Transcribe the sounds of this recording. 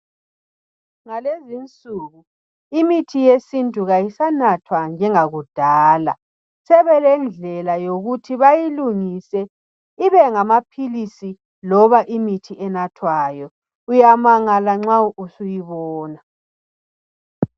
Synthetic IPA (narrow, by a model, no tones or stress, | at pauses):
ŋalezint͡sʼuɣu | imitʰijesintʼuɣajisanatʰwand͡ʒʱɛŋaɣud̥ʱaːla̰ | sɛβɛlɛnd͡ɮʱɛlajoɣutʰiβajiluŋisɛ | iβɛŋamapʰilisi | lɔβaʔimitʰiʔɛnatʰwajɔ | ujamaŋalaŋ͡ǁauʔusujiβɔːna